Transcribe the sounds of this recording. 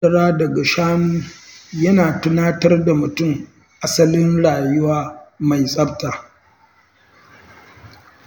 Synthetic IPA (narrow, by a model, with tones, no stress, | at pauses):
ɐ˨ɽaː˦dɐ˨ɡa˨ʃaː˦nuː˦jɐ˦naː˨tʊ˦naː˦tɐ˦rda˨mʊ˨tʊ˦˨m | ʔa˦sɐ˦lɪ˦nɽaː˨jʊ˦waː˦ma˨jsʼɐ˦btaː˨